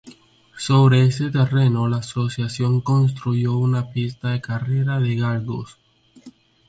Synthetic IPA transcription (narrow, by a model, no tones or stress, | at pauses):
soβɾeeset̪e̞re̞nolaːso̞sjasjo̞ŋko̞ns̬t̪ɾuʝo̞unapist̪aðe̞kare̞ɾaðeɣaɾɣo̰s